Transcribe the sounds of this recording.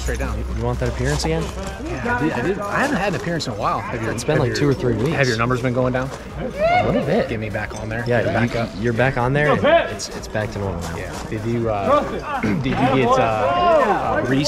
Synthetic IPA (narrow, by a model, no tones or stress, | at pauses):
tɹ̥eɪt̚dãʊ̃nɨd͡ʒɨwɑ̃nðɨɾɨpʰɪɹɨ̃nsɨɡɛ̃n | jædɪaɪdɪda̰ɪhævɨ̃nt̚hɨdn̩ɨpʰɪɹɨ̃nsnəwaɪlˠɨvjə˞spɛ̃ndlaɪk̚tʰʉə˞θɹiwihɨvjə˞nʌ̃mbə˞zbɨ̃nɡoʊɪ̃ŋdãʊ̃n | əlɪɾl̩ˠbɪt̚ɡ̥ɪvmibækn̩ðə˞jæjɨjə˞bækn̩ðə˞ɨ̃nɪtsɪtsb̥æk̚tʰɨ̃nɔlˠəna̰ʊjæ̰ | d̥ɨd͡ʒɨʌ | dɨd͡ʒɨɡɛtʌ | ʌɹi